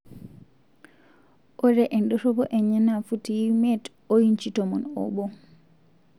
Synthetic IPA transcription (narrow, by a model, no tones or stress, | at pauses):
ʔɔɾɛʔɛnɗɔɾɔbɔʔɛɲanafutijimɛt | ojint͡ʃitɔmɔnɔ̰bɔ